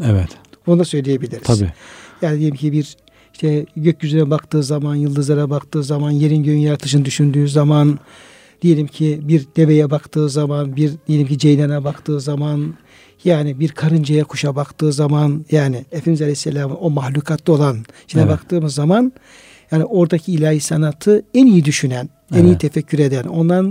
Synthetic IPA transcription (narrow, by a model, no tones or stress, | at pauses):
ɛvɛt̪bunud̪asø̞jlʲijebilʲiɾiazjaːnid̪ijelʲimcʰibiɾ | iʃt̪ʰɛɟøcjyzynɛbakt̪ɯːzamanjɯlˠd̪ɯzlˠaɾabakt̪ɯːzamanje̞ɾinɟøjynjaɾt̪ʰɯ̥ʃɯnd̪yʃynd̪yːzaman | d̪ije̞lʲimcʰibiɾd̪̥e̞ve̞jɛbakt̪ʰɯːzamanbiɾd̪ijeimcʰid͡ʒejnanɛbakt̪ʰɯːzaman | jaːnibiɾkʰaɾɯnd͡ʒajɛkʰuʃabakt̪ɯːzamanjaːnɪefimizalʲesːelʲaːmɯo̞maxlʲuːkʰat̪ʰlio̞lˠan | ʃʰinɛbakt̪ʰɯːmɯzːaman | jaːnio̞ɾd̪acʰiːlʲaːjisanat̪ʰɯænijid̪yʃynæn | ɛnijit̪ʰefɛcʰːyɾe̞d̪æno̞nd̪an